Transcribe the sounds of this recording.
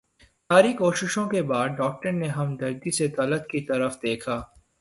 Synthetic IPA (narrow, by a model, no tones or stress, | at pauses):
saːɾikoːʃɪʃõkebaːd̪̚ɖɔːk̚ʈəɾneɦɐmd̪ɐɾd̪iset̪ɐlət̪kit̪ɐɾəfd̪eːkʰaː